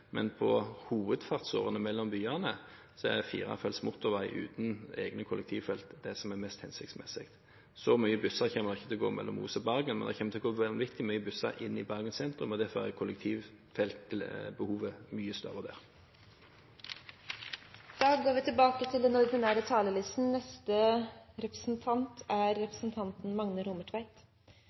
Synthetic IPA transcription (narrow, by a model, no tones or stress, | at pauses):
mɛ̰npʰɔhuːʋəd̪fɑʁt̪so̰ːʁənəmɛlːɔmbyːɑnə | sɔɛd̪ɛfḭːʁɑ̰fɛlsmʊt̪ːʊʁʋæɪʔʉ̰ːt̪n̩ḛːɡnəkʰʊlʔɛk̚t̪ʰiːʋfɛlt̪d̪ɛsɔmɛmɛst̪hɛnsɪk̚t̪smɛsɪkt̪ | sɔmyːəbʉsɑʁçɛːməd̪ɑɪçːət̪ɪlɡoːmɛ̰lːɔ̰mṵːsɔbɑʁɡənmɛnd̪ɛçɛːmːət̪ʰɪlɡoːʋɛʋɪkt̪ɪmyːəbʉsɑ̰ɾʔɪnːɪbɑʁɡənsɛnt̪ʁɾʉmɔd̪æfɔʁækʰʊlːɛk̚t̪ʰiːʋ | fɛlt̪ʰːɪlbəhuːʋəmyːəst̪œ̰ɾəd̪æ̰ʁ | d̪̥ɑːɡɡoːɾʋɪt̪ʰɪlbɑːkət̪ʰɪld̪ɛnɔɾd̪ɪnæːɾət̪ʰɑːləlɪst̪n̩nɛst̪əɾɛpɾə̥sn̩t̪ʰɑnt̪ʰæɾːɛpɾəsn̩t̪ʰɑnt̪n̩mɑŋnəɾʊməʈʰʋæɪt̪